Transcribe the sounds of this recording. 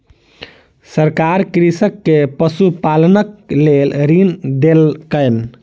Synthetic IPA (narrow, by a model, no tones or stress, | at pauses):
səɾkaɾkɾisəkːepəsupalənəklelɾind̪elkəjn